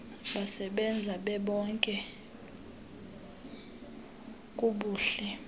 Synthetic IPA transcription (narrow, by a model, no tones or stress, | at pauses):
ɓasɛɓɛnd͡zʱaɓɛɓɔŋkʼɛ | kʼuɓuːɬɛ